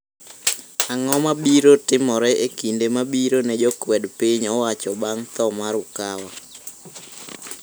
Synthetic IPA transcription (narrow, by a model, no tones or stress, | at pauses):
aŋɔmabiɾotɪmɔɾɛʔekindemabiɾoned͡ʒokwɛdpiɲɔwat͡ʃɔbaŋt̪ɔmaɾʊkawa